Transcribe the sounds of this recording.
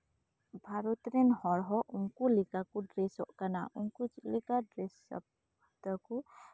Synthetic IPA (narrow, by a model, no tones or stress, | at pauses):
bʱaɾut̪ɾenhɔɾɦɔʔuŋkulikakuɖɾesɔ̰ʔkana̰ʔuŋkulikadɾesp̚ | t̪əku